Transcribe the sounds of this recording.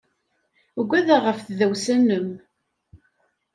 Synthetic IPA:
ɡʷæðæʁəfθðæwsænːəm

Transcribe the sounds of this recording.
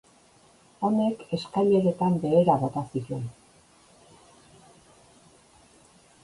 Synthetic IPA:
o̞ne̞ke̞skaʎe̞ɾe̞t̪ambe̞ːɾaβo̞t̪asituen

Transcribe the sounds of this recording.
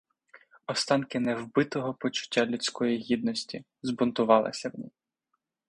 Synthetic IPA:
ɔst̪ɑnkɪnɛwbɪt̪ɔɦɔpɔt͡ʃʊ̥tʲːalʲʊt͡sʲkɔjiɦʲid̪nɔsʲtʲi | zbʊnt̪ʊʋɑlˠɪ̰sʲɐmnʲḭ

